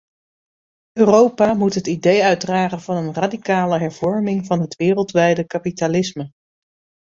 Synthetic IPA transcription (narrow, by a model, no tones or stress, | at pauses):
øːrowpaːmutɦətidejœɥdraːχənvɑnənradikaːləɦɛɹv̥ɔɹmɪŋvɑnɦətʋɪːrəlˠtʋɛjdəkapitalɪsmə